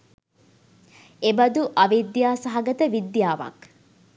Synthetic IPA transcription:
ebɐd̪uʔɐʋid̪jaːsɐɦɐɡɐt̪əʋid̪jaːʋɐ̰k

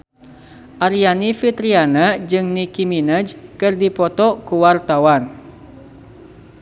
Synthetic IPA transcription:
ʔaɾianifit̪ɾianad͡ʒɨŋnikiminəd͡ʒkɨrdipɔt̪ɔkuwart̪awan

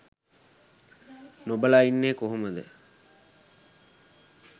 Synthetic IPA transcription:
nobəlainːeːkoɦoməd̪ə̰

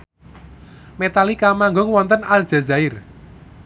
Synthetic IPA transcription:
met̪alikamaŋɡʊŋwɔnt̪ənal̥ʒ̥a̤zaɪr

